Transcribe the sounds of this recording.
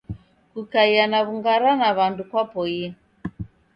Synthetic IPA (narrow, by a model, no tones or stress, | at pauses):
kukaianaβuŋɡaɾanaβandukwapɔi